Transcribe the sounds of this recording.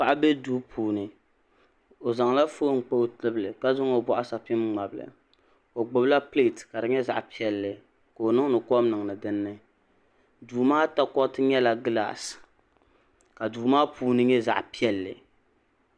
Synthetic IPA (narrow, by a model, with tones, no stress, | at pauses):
pa˨ʔa˦bɛ˦duː˦pʰuː˨nɨ˨ | o˨za˨ŋla˦foː˦ŋ͡m̩˨k͡po˦tɨ˦blɨ˨ka˦zʊ˦ŋo˨bɔ˦ʔa˦sa˨pɪ˦mŋ͡ma˨blɨ̰˨ | o˨ɡ͡bʊ˨bla˦ple˦˨tka˨dɨ˨ɲɛ˦za̰˨ʔpi˦ɛ˨lːɨ˨ | ko˨o˨nɨ˦ŋ˦nɨ˨kɔ˦m˦nɨ˨ŋ˨nɨ˨dɨ˦nːɨ˦ | duː˨maː˦ta˦kɔ˦tɨ˦ɲɛ˦la˨ɡla̰ː˨s | ka˨duː˨maː˦puː˨˦nɨ˦ɲɛ˦za̰˨ʔpi˦ɛ˦lːɨ̰˨